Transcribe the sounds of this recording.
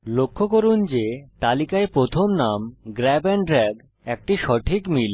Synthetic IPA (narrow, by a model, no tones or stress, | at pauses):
lokʰːokoɾund͡ʑet̪alikaepɾot̪ʰomnamɡɾɛbenɖɾɛɡ | ɛk̚ʈiʃɔʈʰikmil